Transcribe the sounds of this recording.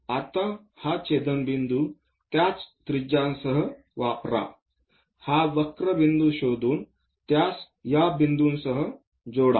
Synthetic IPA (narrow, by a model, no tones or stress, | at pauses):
at̪ɐ̃ | hat͡ʃeːd̪ɐnbind̪u | t̪jaːt͡st̪ɾid͡ʒaːnsɐɦə̆ | ʋaːpɾa̰ː | haːʋɐkɾɐʋind̪uʃoːd̪uːn | t̪jaːs | jabind̪uːnsɐɦə̆ | d͡ʒoːɽa̰ː